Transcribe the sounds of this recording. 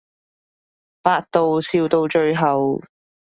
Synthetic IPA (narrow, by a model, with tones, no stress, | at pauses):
paː˧k̚t̪o˨˧wsiː˧wt̪o˧wt͡ʃɵ˧ɥɦɐ˨w